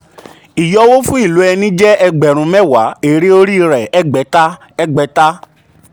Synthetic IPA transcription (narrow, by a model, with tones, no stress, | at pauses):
i˨jɔ˦wo˦fũ˦i˦˨lo˨˦ɛ˧nĩ˦d͡ʒɛ˦ɛ˧ɡ͡bɛ˨ɾ̃ũ˧˦mɛ̃˦˨wa˨˦e˨ɾe˦o˦ɾi˦˧ɾɛ˨ɛ˦ɡ͡bɛ˨˦ta˦ | ɛ˦ɡ͡bɛ˨˦ta˦